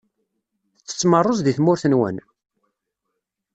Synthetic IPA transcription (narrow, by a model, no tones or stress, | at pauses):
θə̥t͡sːə̥t͡sːmərˤːozðiθmʊɾθənwə̰n